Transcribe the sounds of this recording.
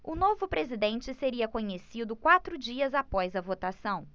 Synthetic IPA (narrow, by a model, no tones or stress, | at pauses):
ʊnovʊpɾezid̪ẽnt͡ʃɪseɾiɐkõɲesid̪ʊkwat̪ɾʊd͡ʒiɐzapɔjzɐvot̪asɐ̃w̃